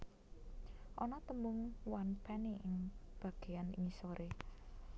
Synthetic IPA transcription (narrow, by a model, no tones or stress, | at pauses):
ʔɔnɔt̪əmʊŋwanpʰɛniʔɪŋb̥ä̤ɡ̥e̤janḭnisoɾʔe